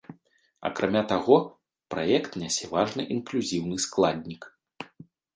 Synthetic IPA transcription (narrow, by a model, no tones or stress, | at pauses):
ɐ̰kɾamʲat̪aɣɔ | pɾa̰jɛkt̪nʲasʲɛvaʐnɨʔinklʲuzʲiwnɨsklˠad̪ʲnʲik